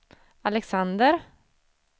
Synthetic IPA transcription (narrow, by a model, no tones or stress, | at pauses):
alɛksand̪əɾ